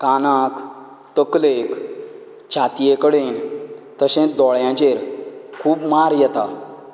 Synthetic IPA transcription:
kanak | t̪əklek | t͡ɕʰat̪ijekəɽent̪əɕẽd̪ɔɭjãt͡ɕeɾkʰuːbmaɾjɛt̪a

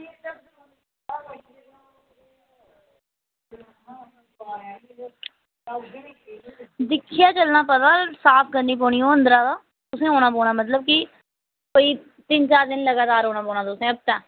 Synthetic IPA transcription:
d̪ɪkʰːɪjaːt͡ʃəlnãːpəd̪alsaːpʰkəɾniːp̬oːɳiːõːə̃nd̪ɾaːd̪aː | t̪ʊsẽːoːnaːpoːɽ̃ãːmət̪ləb̚kɪ | koːiː | t̪ɪnt͡ʃaːɾd̪ɪnləɡaːt̪aːɾɦoːnaːpoːnãːt̪ʊsẽːəb̚t̪ɛ̃ː

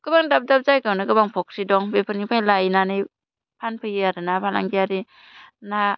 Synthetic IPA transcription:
ɡ̥ɯbaŋdap̚dap̚zajkawnaɡɯbaŋpʰɔk̚sidɔŋbepʰɯnipʰajlajnanɯj | pʰanpʰɯjiaɾɯnapʰana̰ŋɡiaɾi | na

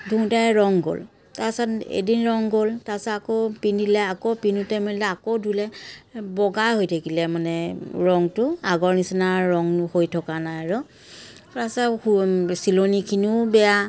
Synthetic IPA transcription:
dʱũtajɹɔŋɡo̰l | tasatḛdinɹɔŋɡoltasaːkopindilɛakopinutamilɛakodʱulɛbɔɡajɦojtʰakilɛmanɛɹɔŋtʊaɡɔɹnisinaːɔŋhojtʰɔkanajaɹʊ | asɛusilonikʰinubɛja

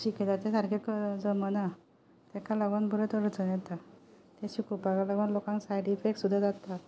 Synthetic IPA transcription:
ɕiked͡zat̪ẽsaɾkʰekd͡zəməna | t̪ɛkaləɡʋənbʱuɾət̪əɾət͡sənjɛt̪a | t̪eɕikupaɡalaɡʋanlokãŋksajɽifeksud̪ʱːad͡zat̪a

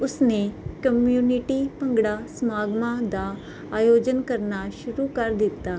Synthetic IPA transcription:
ʊsneːkəmjuːnɪʈiːpə̃ŋɡɽaːsəmaːɡmãːd̪aː | aːjoːd͡ʒənkəɾnaːʃʊɾuːkəɾd̪ɪt̪ːaː

